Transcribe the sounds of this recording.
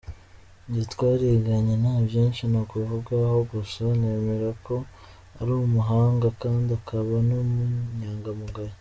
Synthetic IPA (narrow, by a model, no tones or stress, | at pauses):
itkwaːɾeɡaɲenaːbjeːnʃinakuvuɡahoɡusane̞ːme̞ɾako̞ | aɾumuɦaːŋɡakaːndiakʰaβanumuɲaːŋɡamuɡaɾe